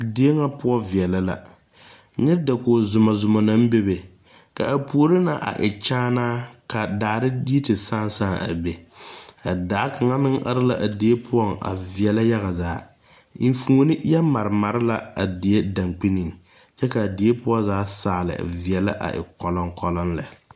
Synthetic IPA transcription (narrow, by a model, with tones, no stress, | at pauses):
di˨˦e˦ŋa˦pʊ˦ɔ˦vi˨ɛ˨la˦la̰˨ | ɲɛ˦da˨ko˨zʊ˨ma˨zʊ˨mɔ˨na˦m˦be˦be˨ | ka̰˨ʔa˨pu˨o˦˨ɾɪ˦na̰˨ʔa̰˨ʔɪ˨t͡ʃaː˦naː˦ka˨daː˨ɾɪ˦di˦i˦tɪ˨saː˦n˦saː˦a̰˨be˨a˨daː˨˦ka˨ŋa˦mɪ˦ŋʔa̰˦ɾɪ˦la̰˦ʔa˨di˨e˦pʰʊ˦ɔ˦˨ŋa̰˨vi˨ɛ˨la˦ja˦ɣa˨zaː˨˦ | fũː˨˦nɪ˦ja˦ma˨ɾɪ˨ma˨ɾɪ˦la̰˨a˨dɪ˨e˦da˨ŋk͡pi˦ni˨ŋ | t͡ʃɛ˦ka˨dɪ˨e˦pʊ˦ɔ˦zaː˨˦saː˨lɪ̰˨vi˨ɛ˨la̰˦ʔa̰˨ʔɪ̰˨kɔ˨lɔ˦ŋkɔ˨lɔ˦nlɛ̰˨